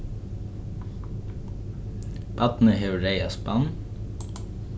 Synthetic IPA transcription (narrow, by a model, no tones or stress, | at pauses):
b̥ɑt̪n̩əheːʉɾeɪɑspɑn